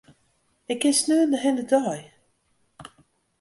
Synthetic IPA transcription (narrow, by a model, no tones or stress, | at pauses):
ɪkːɪnsnøːəndəɦɛndədɔj